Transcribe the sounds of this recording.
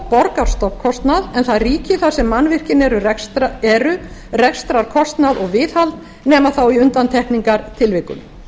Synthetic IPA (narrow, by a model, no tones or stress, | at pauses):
pɔɾkaɾ̥st̪ɔpkʰɔst̪naðɛnθaðriːcɪθḁsɛmːanːvɪr̥cɪnɛɾʏɛɛɾʏrɛkst̪ɾaɾ̥kʰɔst̪naðɔɣvɪːðhalt̪̚ | nɛːmaθawiʏnt̪ant̪ʰɛhkniŋkaɾt̪ʰɪlvɪkʏ̰n